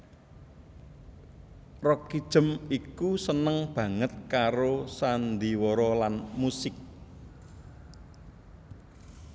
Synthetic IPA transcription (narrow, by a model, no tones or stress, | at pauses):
rɔkid̥ʒ̥ə̤mikusənəŋb̥ä̤ŋət̪̚kaɾosand̪iwɔɾɔlanmusɪk̚